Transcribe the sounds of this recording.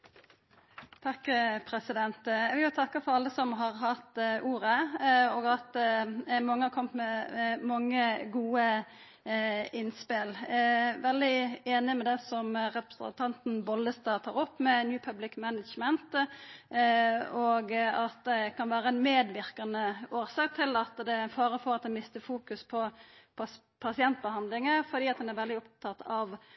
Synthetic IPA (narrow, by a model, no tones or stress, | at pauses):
t̪ʰɑkːpʰɾɛsɪd̪ɛnt̪jɛɡʋɪljʊt̪ʰɑkːɑfɔɾɑlːəsɔmɦɑʁɦɑt̪ʔuːɾəoːɡɑt̪ | mɑŋːəhɑɾkʰɔmt̪mɛmɑŋːəɡuːə | ɪnspɪlʋɛld̪ɪeːnɪmɛd̪ɛsɔmʁɛpɾə̥sə̰nt̪ʰɑnt̪n̩bɔlːəst̪ɑːt̪ʰɑːɾɔpːmɛnjʉːpʰœblɪkmænədd͡ʒmənt̪ | oːɡɑt̪̚d̪ɛkʰɑnʋæːɾəæɪnmeːd̪ʋɪɾkɑnəoːɾsɑːk̚t̪ʰɪlɑt̪d̪ɛfɑːɾəfɔɾɑt̪̚d̪ɛnmɪst̪əfuːkʉspʰɔpʰ | pʰɑsɪɛnt̪̚bəhɑnd̪lɪŋəfɔd̪iːɑt̪̚d̪ɛnæɾʋɛld̪ɪɔp̚t̪ʰɑt̪ɑʋ